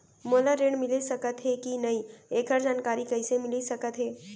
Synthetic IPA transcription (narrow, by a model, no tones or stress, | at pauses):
moːlaɾẽːɽmɪlesɐkət̪ɦɛkinɐɦĩeːkəɾd͡ʒaːnkaːɾikɐisemɪlisɐkət̪ɦɛː